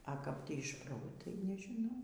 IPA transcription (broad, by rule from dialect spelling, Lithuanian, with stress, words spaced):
ɐ kɐp ˈtʲiː ɪʃ ˈproː ˈtɐɪ nʲɛʒʲɪˈnɐʊ